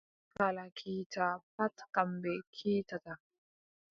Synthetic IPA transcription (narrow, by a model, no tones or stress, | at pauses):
kalakʰitapatkambɛkʰiːtata